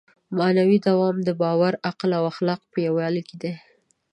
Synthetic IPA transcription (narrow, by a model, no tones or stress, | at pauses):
manawid̪awɑmd̪əbɑwaɾaqlawaxlɑqpəjawjɑliked̪e